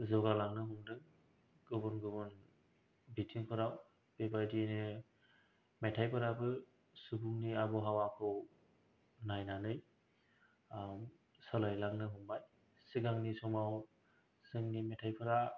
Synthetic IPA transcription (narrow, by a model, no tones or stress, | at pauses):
zɔɡalaŋnɯɦuŋdɯŋ | ɡɯbɯnɡɯbɯn | bitʰiŋkʰɯɾaw | bebajdiejnɯ | metʰajpʰɯɾabɯ | subuŋniabɔɦawakʰɯw | najnanɯj | sɔlajlaŋnɯɦumbaj | sɯɡaŋnisɔmaw | sɯŋnimetʰajpʰɯɾa